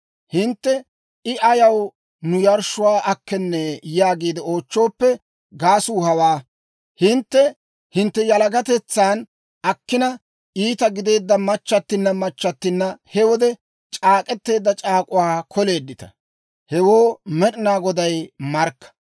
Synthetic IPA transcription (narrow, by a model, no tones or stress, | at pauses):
hɪnt̪ːɛ | ɪʔɐjɐw | nʊjɐɾʃʊwaːʔɐkːɛnːɛjaːɡiːd̪ɛo̞ːt͡ʃːo̞ːpːɛ | ɡaːsuːhɐwaː | hɪnt̪ːɛ | hɪnt̪ːɛjɐlɐɡɐt̪ɛt͡sːaːn | ɐkːɪnɐ | iːt̪ɐɡɪd̪e̞ːd̪ːɐmɐt͡ʃːɐt̪ːɪnːɐmɐt͡ʃːɐt̪ːɪnːɐhɛwɔd̪ɛ | t͡ʃʼaːkʼɛt̪ːe̞ːd̪ːɐt͡ʃʼaːkʼʊwaːkʰɔle̞ːd̪ːɪt̪ɐ̥ | hɛwo̞ːmɛɗɪnaːɡɔd̪ɐjmɐɾkːɐ̥